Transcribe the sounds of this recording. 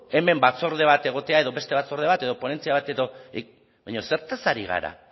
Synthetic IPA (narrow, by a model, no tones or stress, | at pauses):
e̞me̞mbat͡so̞ɾðe̞β̞at̪e̞ɣ̞o̞t̪eaeðo̞βe̞st̪eβat͡so̞ɾð̞e̞βat̪e̞ðo̞po̞ne̞nt͡siaβat̪eðo̞ | βaɲo̞se̞ɾt̪asaɾiɣ̞a̰ɾa̰